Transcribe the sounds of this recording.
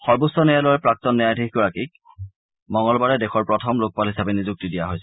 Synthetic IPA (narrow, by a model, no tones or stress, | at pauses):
xɔɹbusɔnɛjalɔjɛpɹak̚tɔnːiajdʱikɡɔɹakik̚ | mɔŋɡɔlbaɹɛdexɔɹpɹɔtʰɔmlok̚palɦisabɛnizuk̚tidijaɦojsɛ